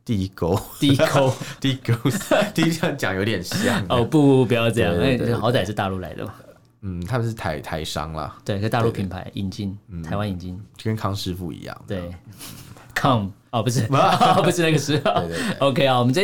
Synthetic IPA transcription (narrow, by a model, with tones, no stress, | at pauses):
t̪i˥˧i˦˥ko˥ʊt̪i˥˧i˥ko˥ʊt̪i˥˩i˦˥ko˥ʊt̪i˥˧i˥ɑ˥˩t͡ɕjɑ̰˨˩ŋjo˧˥t̪jɛ˨˩nɕjɑ̰˨ŋo˥˧pu˥˧˩pi˧˥jɑ˥˧ʊʈ͡ʂɤ˥˧jɑ˥˨ŋ˥˩˥xɑ˧˥ʊt͡sa˨˩ɪʂ̬̩˥˧t̪a˥˧lu˥˩la̰˧˥ɪd̪ə̰˨˩mɐ˩ | n̩˥˩t̪ʰa˥mə˨nʂɻ̩˥˩t̪ʰa˧˥ɪt̪ʰa˧˥ɪʂɑ̰˥ŋlɐ̰˨t̪we˥˩kʰə˥t̪a˥˧lu˥˩pʰi˧˥npʰa̰˧˥ɪʔi˧˥nt͡ɕi˥˧nn̩˩t̪ʰa˧˥ɪwa˦ni˨˩nt͡ɕi˥˩n˥˧kə˦nkʰɑ˦ŋʂɻ̩˥˧fṵ˥˨˩ḭ˧˥˦jɑ̰˥˩ŋwe˥˩ɪ | kʰɑ˥˩m | ɔ˧˨˩pu˧˥ʂ̬ɻ̩˥˩˨pu˧˥ʂɻ̩˥˧na˥˩ɡə˩ʂɻ̩˥˩e˥˧e˥ʔo˧ʊkʰe˥ɪɔ˥˩wɔ˨˩mə˦t͡sa˥˧